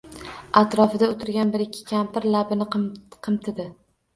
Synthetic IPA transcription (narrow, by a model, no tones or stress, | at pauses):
at̪ɾɒfɪd̪aot̪ʰɪɾɡʲanbɪɾɪkʲʰːɪ̥kʲʰampɪɾlabɪnɪqqʰɨmt̪ʰɪd̪ɪ